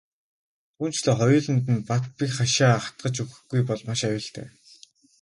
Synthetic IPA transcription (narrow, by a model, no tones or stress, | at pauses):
t̪ʰuːnt͡ɕɮoːχɔjʊːɮə̆nt̪̬ɘ̆npat̪̚pʲikχaʃaːχḁt̪̚ɢə̆t͡ɕuɣɘ̆xɡujpɔɮmaʃajʊ̆ːɬt̪æ̰ː